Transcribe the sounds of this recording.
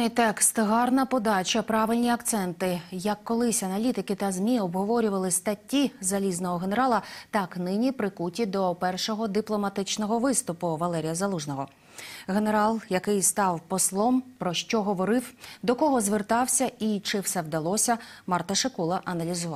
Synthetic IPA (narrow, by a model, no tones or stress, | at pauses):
ɪt̪ɛkst̪ɦɑrnɐpɔd̪ɑt͡ʃɐpɾɑʋɪlʲnʲiɐkt̪sɛnt̪ɪjɐkːɔlˠɪsʲɐnɐlʲit̪ɪkɪt̪ɐzmʲiɔbɦɔʋɔɾʲʊʋɐlˠɪst̪ɐtʲːizɐlʲiznɔɦɔɦene̞ɾɑlˠɐt̪ɑknɪnʲipɾɪkutʲid̪ɔpɛrʃɔɦɔd̪ɪplˠɔmɐt̪ɪt͡ʃnɔɦɔʋɪst̪ʊpʊʋɐlˠɛɾʲijɐzɐlˠuʒnɔɦɔ | ɦene̞ɾɑlˠjɐkɪjst̪ɑwpɔslˠɔmpɾɔʃt͡ʃɔɦɔʋɔɾɪwd̪ɔkɔɦɔzʋert̪ɑwsʲɐit͡ʃɪwsɛwd̪ɐlˠɔsʲɐmɑrt̪ɐʃɪkulˠɐʔɐnɐlʲizʊʋɑ